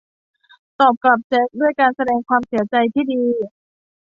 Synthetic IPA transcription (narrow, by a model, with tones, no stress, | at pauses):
t̪ɔː˨˩p̚kla˨˩p̚t͡ɕe˦˥k̚du˥˩əjkaː˧nsa˧dɛː˧ŋkʰwaː˧msi˩˦ɐt͡ɕa˧jt̪ʰiː˥˩diː˧